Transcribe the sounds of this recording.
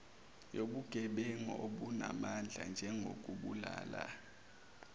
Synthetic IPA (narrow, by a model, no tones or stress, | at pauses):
joɓuɡ̥ʱɛɓɛŋɔoɓunamand͡ɮʱand͡ʒʱɛŋɡʱok̬ʼuɓulaːla